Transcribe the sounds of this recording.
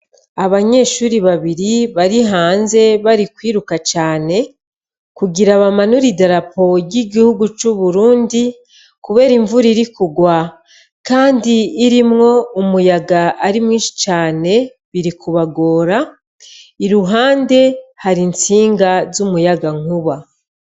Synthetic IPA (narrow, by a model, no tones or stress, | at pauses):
aβaɲe̞ːʃuːɾiβaβiɾiβaɾiɦaːnze̞βaɾikwiːɾukat͡ʃaːne̞ | kuɡiɾaβamanuɾidaɾapo̞ɟiɡihuɡut͡ʃuβuɾuːndi | kuβe̞ːɾiɱvuɾiɾikuɡwa | kaːndiːɾimŋo̞umujaɡaːɾimŋiːnʃi̥t͡ʃaːne̞ | βiɾikʰuβaɡo̞ːɾa | iɾuɦaːnde̞haɾint͡siːŋɡazumujaɡaŋ̥uβa